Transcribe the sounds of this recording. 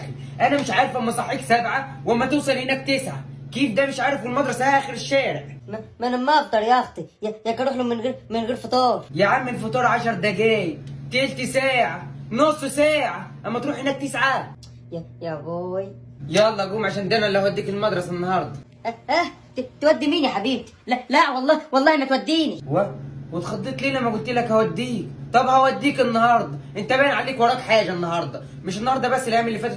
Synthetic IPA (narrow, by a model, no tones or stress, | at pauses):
ʔænæmɪʃʕaːɾˤɪfʔæmːæsˤɑħːiːksæbʕawʔæmːæt̪usˤɑlhɪnæːk̚t̪ɪsʕakiːfd̪æːmɪʃʕaːɾɪfɪlmɑd̪ˤɾˤɑsæʔʔæːxɪɾɪʃːæːɾɪʕmæmænæmːæʔɑfd̪ˤɑɾˤjɑɑxt̪ˤijæjækɑɾˤuːħlumɪnɣiɾmɪnɣiːɾfot̪ˤoːɾˤjɪʕamːɪlfot̪ˤuːɾˤʕaʃɑɾˤd̪æɡæːjt̪elt̪isæːʕanosˤːsæːʕaʔæmːæt̪ɾuːħhɪnːæːk̚t̪ɪsʕa | jjæɡoːjjæʔɑlˤːɑɡuːmʕaʃæːnd̪æːmænlːæhæwæd̪ːiːkelmɑd̪ɾˤɑsenːɑhɑɾˤd̪ˤɑ | æʔæ | t̪et̪wæd̪ːimiːnjæħabiːb̚t̪i̥lælæʔwɑlˤːɑːwɑlˤːɑːhmæt̪wæd̪ːiːniwæwet̪xɑd̪ˤːet̪ˤliːlæmːæɡʊlt̪iːlækhæwæd̪ːiːkt̪ˤɑbhæwæd̪ːiːkenːɑhɑɾˤd̪ˤɑʔent̪æbæːnʕaliːkwɑɾˤɑːkħaːʒænːɑhɑɾˤd̪ˤɑ | mɪʃenːɑhɑɾˤd̪ˤɑbæsːelʔæːmelːifæːt̪